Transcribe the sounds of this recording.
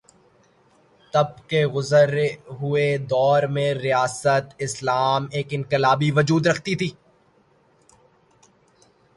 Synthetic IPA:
t̪ɐb̚keɣʊzəɾɦʊed̪ɔːɾmẽɾijaːsət̪ɪslaːmeːkɪ̃nqɪlaːbiʋɐd͡ʒuːd̪ɾɐkʰt̪it̪ʰiː

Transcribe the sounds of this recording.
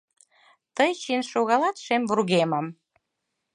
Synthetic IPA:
t̪əjt͡ɕinʃoɣɑlɑt̪ʃemvurɣemɑm

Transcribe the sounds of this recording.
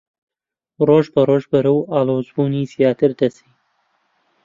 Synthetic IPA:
roːʒbɐɾoːʒbɐɾɨwaːloːzbuːniːsjaːt̪ɨɾd̪ɐsiː

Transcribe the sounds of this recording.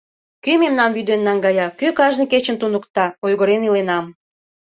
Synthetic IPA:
kymemnɑmvyd̪enːɑŋɡɑjɑkykɑʒnĕket͡ɕə̆nt̪unəkt̪ɑojɣə̆ɾenilenɑm

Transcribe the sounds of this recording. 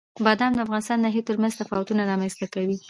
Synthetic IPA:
bad̪amd̪əafɣɑnɪst̪ɑnd̪ɑɦit̪əɾmanzt̪afɑwat̪unaɾɑmanzt̪akawi

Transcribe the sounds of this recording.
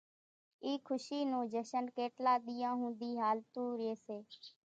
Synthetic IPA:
iːkʰʊʃiːnũːd͡ʒəʃənkeːʈlaːɗ̪ɪːjãːɦũːnd̪iːɦaːlt̪ũːɾeːseː

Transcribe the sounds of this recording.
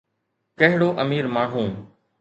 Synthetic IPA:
kəɦɪɽoːʔəmiːɾmaːɽ̤ɦũː

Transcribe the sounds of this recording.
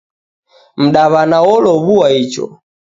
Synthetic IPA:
m̩ɗaβanaɔlɔβuwait͡ʃɔ̰

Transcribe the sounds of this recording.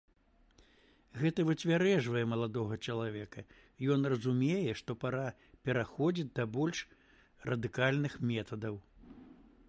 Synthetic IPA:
ɣɛt̪ɐvɨt͡sʲvʲaɾɛʐvɐjɛmɐlˠad̪ɔɣɐt͡ʂɐlˠavʲɛkɐ | jɔnrɐzumʲejɛʂt̪ɔpaɾa | pʲɛɾaxɔd͡zʲid͡zʲd̪ɐbɔlʲʂ | rɐd̪ɨkalʲnɨxmʲɛt̪ɐd̪ɐw

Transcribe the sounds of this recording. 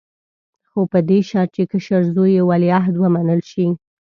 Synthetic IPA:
xopəd̪eʃɑɾ̚t͡ʃekəʃəɾzojewaliaɦd̪wəmanəlʃi

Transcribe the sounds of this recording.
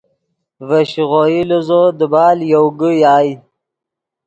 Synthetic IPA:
vaɕiɣojiluzod̪əbɑːljowɡəjɑːj

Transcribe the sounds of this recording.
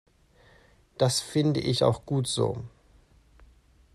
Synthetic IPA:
d̥asfɪndəʔɪça̰ʊxɡ̥uːtz̥o̰ː

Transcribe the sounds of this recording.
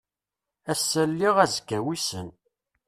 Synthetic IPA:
æsːælːiʁæzəkːæwisə̰n

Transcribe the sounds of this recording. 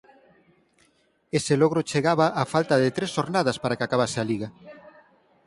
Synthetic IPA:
eseloɣ̞ɾʊt͡ʃeɣaβaʔafalt̪ɐðet̪ɾesʃoɾnaðɐspaɾakɪakaβasealiɣa

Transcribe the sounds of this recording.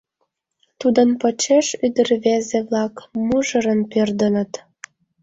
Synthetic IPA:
t̪ud̪ənpə̆t͡ɕeʃyd̪ərβezeβlɑkmuʒə̆ɾə̆npørd̪ə̆nə̆t̪

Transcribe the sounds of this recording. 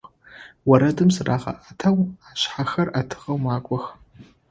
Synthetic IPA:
wɐɾɐdɨmsraːʁɐ̰ʔatʰawaːɕħaxɐrʔatʰɨ̥ʁɐwmaːkʷʼɔx

